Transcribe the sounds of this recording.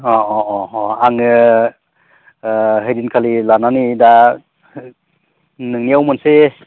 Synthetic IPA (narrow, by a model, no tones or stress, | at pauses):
ɔɔɔɔaŋɯ | ɦɯjɾinkʰalilananida | nɯŋniawmɯnse